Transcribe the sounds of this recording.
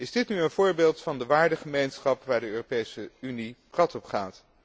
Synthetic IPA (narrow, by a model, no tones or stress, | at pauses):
ɪzdɪtnyənvʊːɹbeːlˠtfɑndəʋaːɹdəχəmejnsχɑpʋaːɹdəøːropejsəynibrɑtɔpχaːt